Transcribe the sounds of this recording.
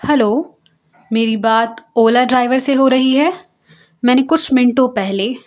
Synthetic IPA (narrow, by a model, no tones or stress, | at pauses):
hɛloː | meːɾibaːt̪oːlaɖɾaːɪʋəɾseɦoɾɐɦiɦɛː | mɛ̃ːnekʊt͡ʃʰmɪɳʈõpɛɦleː